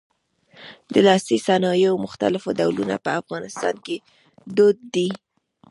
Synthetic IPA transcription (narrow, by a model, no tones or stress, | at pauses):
d̪əlɑsisanɑjomʊxt̪a̰lɪfod̪awluna̰pəafɣɑnɪst̪ɑ̰nke | d̪od̪̚ːi